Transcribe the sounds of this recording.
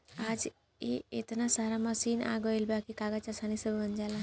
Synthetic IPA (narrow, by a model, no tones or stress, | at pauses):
ad͡z | eet̪nasaɾaməsiːna̰ɡɔilbakikaɡat͡ɕasanisəbbənd͡ʒala